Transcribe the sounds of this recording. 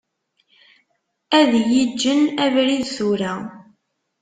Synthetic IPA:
æðjid͡ʒːənævɾiðθuɾæ

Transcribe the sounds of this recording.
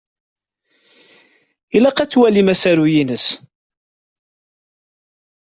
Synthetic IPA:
ilɑqæt͡sːwælimæsæɾujinəs

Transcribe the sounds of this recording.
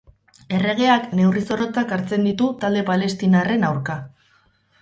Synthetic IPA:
e̞re̞ɣ̞e̞akne̞wriso̞ɾo̞t͡sakaɾt͡se̞nd̪it̪ut̪ald̪e̞pale̞st̪inare̞nawɾka

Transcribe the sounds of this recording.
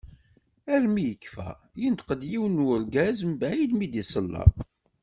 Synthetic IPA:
æɾmijəkːfæ̰ | jənt̪qəd̪jiwnwʊɾɡæzmbʕid̪mid̪isəlːɑ̰

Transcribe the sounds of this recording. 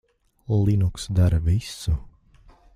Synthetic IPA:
lˠinuksd̪aɾɐvisu

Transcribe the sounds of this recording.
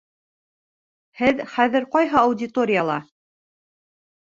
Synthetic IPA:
hɘðχæðɘɾqɑjɦɤɐwdʲɪt̪o̞ɾʲɪjɑlˠɑ

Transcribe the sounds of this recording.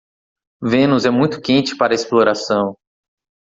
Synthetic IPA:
vẽnʊzɛmũj̃t̪ʊ̥kẽnt͡ʃɪ̥paɾɐesploɾasɐ̃w̃

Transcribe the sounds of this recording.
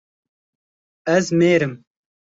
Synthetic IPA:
ɛzmeːɾɨm

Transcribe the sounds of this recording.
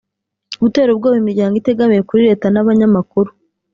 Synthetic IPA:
uɡute̞ːɾub̚ɡoːβimiɾɟaːŋɡite̞ɡamijekuɾiɾe̞ːtanaβaɲamakuɾu

